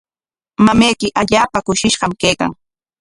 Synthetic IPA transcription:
mamejkɪʔaʎaːpakʊʃɪʃɢɑmkejka̰ŋ

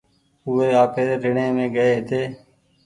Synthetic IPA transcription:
ueːaːpeːɾɪɳẽːmẽːɡəeːɦɪt̪ʰeː

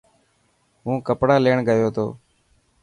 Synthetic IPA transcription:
ɦũːkəpɽaːleːɳɡəjoːt̪ʰo̰ː

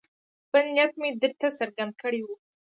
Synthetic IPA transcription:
pənijat̪med̪əɾt̪asəɾɡand̪̚kəɽewu

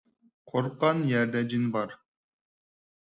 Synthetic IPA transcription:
qʰoɾqːɑnjæɾd̪æd͡ʒinbɑɾ

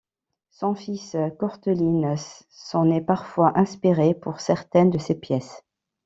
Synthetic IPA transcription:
sɔ̃fiskɔʁt̪ølinəsː | ɔ̃nepaʁfwaʔɛ̃spiʁepuʁsɛʁt̪ɛnd̪əsepjɛs

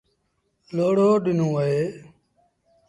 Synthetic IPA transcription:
loːɽoːɗɪnõːəeː

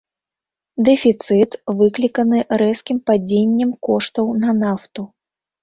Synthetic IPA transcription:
d̪ɛfʲit̪sɨt̪vɨklʲikɐnɨɾɛskʲimpad͡zʲenʲːɛmkɔʂt̪ɐwnɐnaft̪u

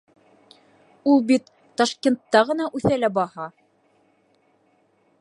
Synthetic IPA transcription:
ulˠbit̪ːɑʃkʲent̪ːɑʁɤ̆nɑʔʉθælæbɑhɑ

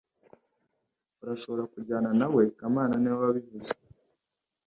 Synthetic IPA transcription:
uɾaʃo̞βo̞ɾakuɟaːnanawe̞kamaːnanewaβaβivuze

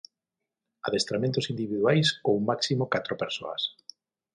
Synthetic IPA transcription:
aðest̪ɾamẽnt̪ʊsind̪iβiðwajskoumaksimokat̪ɾopeɾso̰a̰s

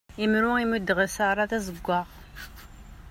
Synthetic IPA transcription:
imɾʊimud̪ʁəsaɾˤɑθæzəɡʷːɑʁ

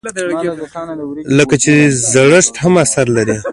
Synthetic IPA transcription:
ləkat͡ʃezaɽəʂt̪hamasaɾlaɾi

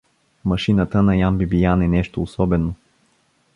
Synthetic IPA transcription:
mɐʃinət̪ənɐjambibijanɛnɛʃt̪oːsɔbɛno

